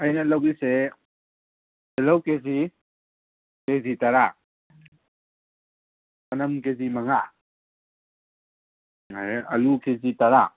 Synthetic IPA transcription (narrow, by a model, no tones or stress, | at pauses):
ɐjnalawise | elawkezi | kezitaɾa | kɐnamkezimaŋa | aɐlukʰezitaɾa